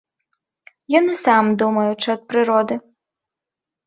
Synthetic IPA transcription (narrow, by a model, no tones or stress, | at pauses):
jɔnɨsamd̪umɐjʊt͡ʂɨɐt̪̚pɾɪɾɔd̪ɨ